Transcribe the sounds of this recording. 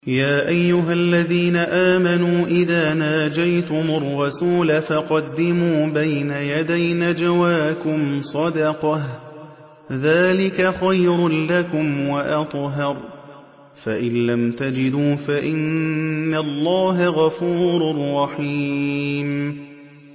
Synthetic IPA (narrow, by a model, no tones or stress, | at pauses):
jaːʔajːʊɦalːaðiːnaʔaːmanuːʔɪðaːnaːd͡ʒajt̪ʊmʊrˤːɑsuːlafɑqɑd̪ːɪmuːbajnajad̪ajnad͡ʒawaːkʊmsˤɑd̪ɑqɑh | ðaːlɪkaxajɾlakʊmwaʔɑt̪ˤɦɑɾˤ | faʔɪnlamt̪ad͡ʒɪd̪uːfaʔɪnːalːɑːɦaɣɑfuːɾˤrˤːɑħi | m